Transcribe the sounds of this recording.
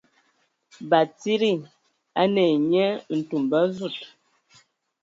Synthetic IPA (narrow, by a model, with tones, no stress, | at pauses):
ba˨ti˦ɾi˦˨ | a˦nɛ˨ɲɛ˦n̩˨tu˨mba˦zu˦˨t̚